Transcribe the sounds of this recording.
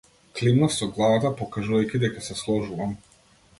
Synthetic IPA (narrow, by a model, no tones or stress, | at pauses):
klinasɔɡlˠavat̪apɔkaʒuvajcʲid̪ɛkasɛslˠɔʒuvam